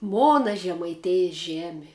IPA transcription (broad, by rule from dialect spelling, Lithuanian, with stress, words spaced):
ˈmoːnɐ ʒʲɛmɐɪˈtʲeːjɪs ˈʒʲæːmʲɪ